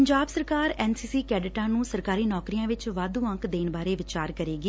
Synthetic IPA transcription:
əɲd͡ʒaːbsəɾkaːɾɛːnsiːsiːkɛːɖɪʈãːnũːsəɾkaːɾiːnɔːkɾijãːʋɪt͡ʃʋaːd̪ũːə̃ŋkd̪eːnbaːɾeːʋɪt͡ʃaːɾkəɾeːɡiː

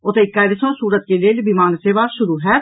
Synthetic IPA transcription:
ʊt̪eɪkːaːɪd̪sõsuːɾət̪̚kelelbimãːnseːʋaʃʊɾuɦɛː

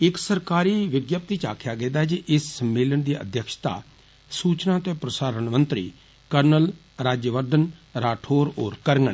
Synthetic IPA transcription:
ɪksəɾkaːɾiːʋɪɡjəp̚t̪iːt͡ʃa̰ːkʰjaːɡẽːd̪aːɦɛd͡ʒiʔɪssəmːeːlənd̪iːə̰d̪jəkʃt̪a̰ː | suːt͡ʃnãːt̪ẽːpɾəsaːɾənmənt̪ɾḭː | kəɾnəl | ɾaːd͡ʒjəʋəɾd̪ənɾaːʈʰoːɾoːɾkəɾŋɡəɳ

